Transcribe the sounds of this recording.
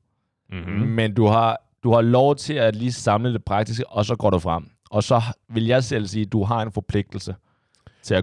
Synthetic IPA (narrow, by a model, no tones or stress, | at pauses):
mend̥uhɑ̈ | d̥uhɑ̈lɒʊt͡sʰe̝læliːsɑ̈mləd̥e̝pʰʁɑ̈ɡ̥̚d̥isɡ̥əʔɒ̽sɒ̽ɡ̥ɒ̰ːɾufʁɑm̰ | ɒ̽sɒ̽ʋe̝ljɑ̈ɪsel̰siːd̥uɦɑ̈e̝nfɒ̽pʰle̝ɡ̥̚d̥l̩sə | t͡sʰe̝æ